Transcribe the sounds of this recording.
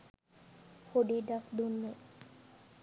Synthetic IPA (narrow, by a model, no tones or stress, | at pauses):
hoɖiɖakd̪unːe